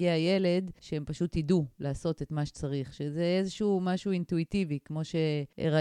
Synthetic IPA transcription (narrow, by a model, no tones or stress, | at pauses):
eaje̞le̞dʃeempaʃutidulaːso̞t̪et̪maʃe̥t͡saʁiχʃezeezeʃumaʃuintuitivikmo̞ʃe̞ḛʁa